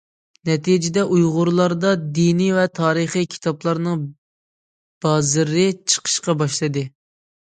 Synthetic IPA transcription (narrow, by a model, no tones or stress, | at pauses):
nɛt̪ʰid͡ʒɪd̪ɛʔujʁʊɾlˠɑɾd̪ɑd̪inivɛt̪ʰɑːɾɨχikʲʰi̥t̪ʰɑplˠɑɾnɨŋ | b̥ɑːzɨɾɪt͡ʃʰə̥qʰə̥ʃqɑbɑʃlˠɨd̪ɨ